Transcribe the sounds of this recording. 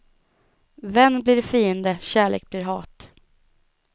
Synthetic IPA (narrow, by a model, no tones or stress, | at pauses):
vɛnːblɪɾfiːənd̪əɕæːɭḛːk̚b̥lɪɾɦɑːt̪